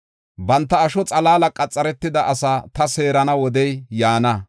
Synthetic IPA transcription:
bɐnt̪ːɐːʃɔt͡sʼɐlaːlɐkʼɐt͡sʼːɐɾɛt̪ːɪd̪ɐʔɐsaːt̪ɐse̞ːɾɐnɐwɔd̪ɛjjaːnɐ

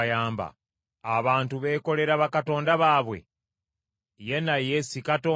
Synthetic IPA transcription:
jaːmba̰ː | βaːntuβe̞ːko̞le̞ɾaβakato̞ːndaβaːβwe̞̰ | je̞najesikato̞ː

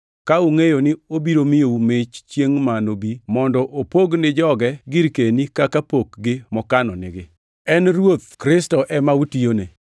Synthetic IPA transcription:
kauŋejonɪobiɾomɪjoumɪt͡ʃt͡ʃjeŋmanobimɔndɔʔopoɡnɪd͡ʒɔɡɛɡɪɾkenikakapokɡɪmɔkanɔnɪɡɪ | ɛnrwot̪kɾɪstɔʔɛmautijone

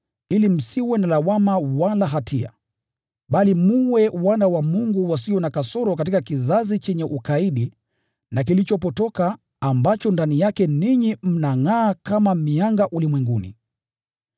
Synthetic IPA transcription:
ilim̩siwɛnalawamawalaɦatʰia̰ | ɓalimuwɛwanawamuŋɡuwasiɔnakasɔɾɔkat̬ikakizazit͡ʃɛɲɛʔukaiɗi | nak̬ilit͡ʃɔpɔtɔkaː | mbat͡ʃɔndanijakɛniɲim̩naŋaːkamamiaŋɡaʔulimwɛŋɡunḭ

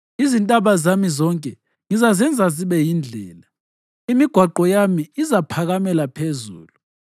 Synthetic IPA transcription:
izintʼaβazamizɔŋkʼɛ | ŋizazɛnd͡zʱaziβɛjind͡ɮʱɛːla | imiɡ̥ʱwaǃɔjamiːzapʰaɣamɛlapʰezṵːlu

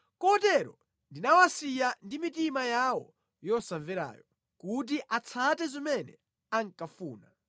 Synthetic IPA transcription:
kɔtɛɾɔ̰ | ndinawasijandimit̬imajawɔ̰ | jɔsaɱvɛɾa̰ːjɔ | kut̬iʔat͡sʰatɛzimɛnɛ̰ | aŋkafuːna

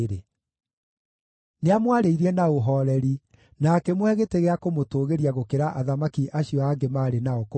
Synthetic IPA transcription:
ɾe | neamwaɾeiɾɛnaoɦɔɾɛɾi | nakɛmoɛɣeteɣeakomotoːɣeɾiaɣokeɾaʔaðamakiʔaɕiɔaɡemaːɾenaɔko

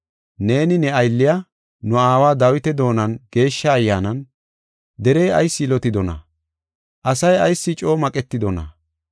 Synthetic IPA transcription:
ne̞ːnɪnɛɐjlːɪja | nʊaːwaːd̪ɐwɪt̪ɛd̪o̞ːnɐnɡ̥e̞ːʃːɐːjːaːnɐn | d̪ɛɾejɐ̰jsːɪlɔt̪ɪd̪ɔnɐ̰ | ʔɐsɐjɐjsːɪt͡ʃʼo̞ːmɐkʼɛt̪ːɪd̪ɔnɐ̰

